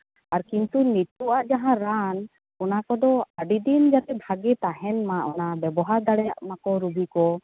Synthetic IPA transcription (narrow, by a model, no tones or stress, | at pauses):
aɾkint̪unit̪uʔaʔd͡ʒaɦãɾan | kɔnakɔd̪ɔaɖid̪ind͡ʒat̪ɛbʱaɡɛt̪aɦɛnmaʔɔnabɛbɔɦaɾd̪aɽɛja̰ʔmakɔɾubikɔ